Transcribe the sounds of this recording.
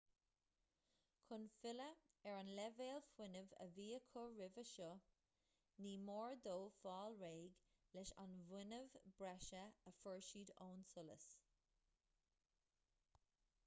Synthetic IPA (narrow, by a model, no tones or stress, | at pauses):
kʰʊnfɪləɛɹanlɛveːlfwɪnəvə̰viːəkʰʊɹɪvəʃɔ | niːmoːɹd̪oːfɑːlɹeːɡ | lɛʃa̰nvwɪnəvbɹɛʃəəfəɹʃiːd̪oːnsʊlə̰s